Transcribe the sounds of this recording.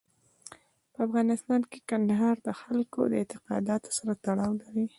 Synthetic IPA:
pəafɣɑnɪst̪ɑnke̥kand̪aɦɑɾd̪əxalko̰d̪əɪnt̪ɪqɑ̰d̪ɑt̪o̥saɾat̪aɽɑwlaɾi

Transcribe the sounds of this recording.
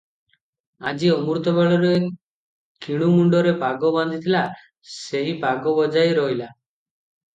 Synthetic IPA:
ad͡ʒiɔmuɾt̪ɔbeɭɔɾe | kiɽ̃umuɳɖɔɾepaɡɔbɔnd̪ʱit̪ʰila | seipaɡɔbɔd͡ʒajɾɔɦila

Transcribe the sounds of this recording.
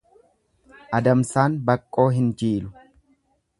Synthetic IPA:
ʔɐd̪ɐmsaːnbɐkʼːo̞ːɦɪnd͡ʒiːlʊ

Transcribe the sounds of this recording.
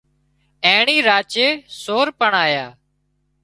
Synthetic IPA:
ẽːɳiːɾaːt͡ʃeːsoːɾpəɳaːjaː

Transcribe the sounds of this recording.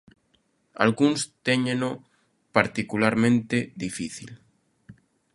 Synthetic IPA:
a̰lɣunst̪eɲẽno | paɾt̪ikulaɾmẽnt̪eðifiθḭl

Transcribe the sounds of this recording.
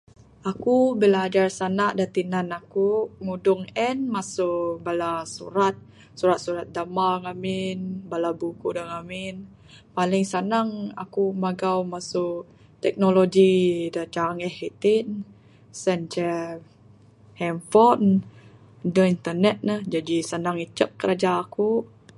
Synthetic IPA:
akubəlaːd͡ʒarsanaʔdat̪inanakuŋudʊŋɛnmasʊʔbalasṵɾat̪̚ | suɾat̪̚suɾat̪̚damaŋamɪnbalabukudaŋamɪn | palɪŋsanaŋa̰kumaɡawmasʊʔ | t̪ɛk̚nolod͡ʒidat͡ʃaŋɛhit̪ɪn | sɛnt͡ʃə | hɛmfɔn | dəint̪ənɛt̪̚nəhd͡ʒadisanaŋit͡ʃəp̚kəɾad͡ʒaːku

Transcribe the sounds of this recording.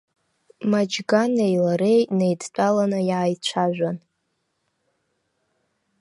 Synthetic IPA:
mad͡ʒɡanejlaɾejne̞jdt͡pʷʼalanɨjaʕajt͡ɕʷʰaʒᶣʷan

